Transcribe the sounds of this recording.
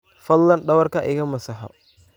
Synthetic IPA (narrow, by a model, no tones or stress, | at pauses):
fɐd̪lːɐnɖɐwɐrkʰɐʔɪɣɐmɐsɐħɔ̰